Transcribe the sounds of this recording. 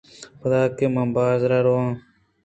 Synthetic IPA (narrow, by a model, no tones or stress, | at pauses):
xʊd̪aːkemãmbaːzɾaɾoãː